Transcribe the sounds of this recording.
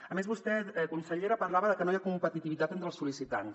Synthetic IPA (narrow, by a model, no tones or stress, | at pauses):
əmezβust̪ɛt̪ɛkunsəʎeɾəpəɾlaβəðəkənojakumpət̪it̪iβit̪at̪ent̪ɾəlˠsulisit̪ans